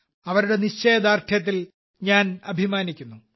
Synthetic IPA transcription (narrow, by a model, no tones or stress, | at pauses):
ɐʋɐɾuɽe̞niɕt͡ɕːe̞ːd̪aːrtʰjɐt̪̬ːil | ɲaːnɐbʱimaːnikʲːunːu